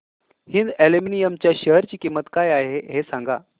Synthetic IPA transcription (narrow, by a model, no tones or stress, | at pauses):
hind̪eleminijəmt͡ɕjaɕəɦəɾt͡ɕiːkimːət̪kajaeɦeɦesãŋɡa